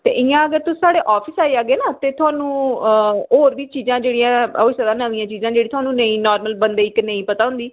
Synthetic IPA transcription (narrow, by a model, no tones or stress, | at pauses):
t̪ḛːʔɪjãːəɡəɾt̪ʊsaːɽeːʔɔːpʰɪsaːeːaːɡeːnaːt̪eːt̪ʰʊaːnũː | oːɾʋiːt͡ʃiːzãːd͡ʒeːɽijãːosəd̪aːnəʋĩːãːt͡ʃiːzãːd͡ʒeːɽit̪ʊaːnũːnəĩːnɔːɾməlbənd̪eːɪknə̃ĩːpət̪aːʊ̃nd̪iː